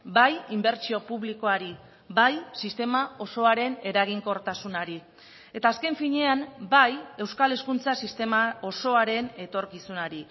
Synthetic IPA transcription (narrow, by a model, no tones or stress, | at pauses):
bajimbe̞ɾt͡ʃio̞puβliko̞aɾi | bajsist̪e̞mao̞so̞aɾe̞ne̞ɾaɣ̞iŋko̞ɾt̪asunaɾi | e̞t̪aːske̞ɱfiɲe̞ambaje̞wskale̞skunt͡sasist̪e̞mao̞so̞aɾe̞ne̞t̪o̞ɾkisunaɾi